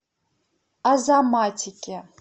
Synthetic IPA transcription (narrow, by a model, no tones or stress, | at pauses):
azamatʰikʲʼe